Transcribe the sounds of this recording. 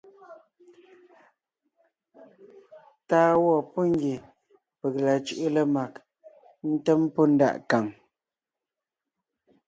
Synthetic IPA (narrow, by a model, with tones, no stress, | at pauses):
taː˦wɔ˦˨po˦ŋ˦ɡje˨ | pə˨kla˨t͡ʃu˦˨ʔu˦lə˦ma˨k | n̩˦tɛ˦mpo˦n̩˦da̰˦˨ʔka˨ŋ